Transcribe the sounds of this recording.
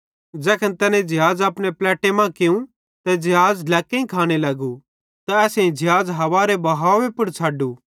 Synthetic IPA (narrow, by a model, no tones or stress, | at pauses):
d͡zɛːkʰənt̪ɛnẽd͡ʒɪɦaːd͡zɐpɽ̃eplɛːʈemãkɪũ | t̪ɛd͡ʒɪɦaːd͡zlɛːkːẽĩkʰaːɽ̃elɐɡu | t̪aɛːsẽĩd͡ʒɪɦaːd͡zɦɐʋaːɾebɐɦaːʋepʊɾt͡ʃʰaːɖuː